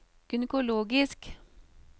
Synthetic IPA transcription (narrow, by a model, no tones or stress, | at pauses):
ɡ̥ʏnəkʊloːɡɪsk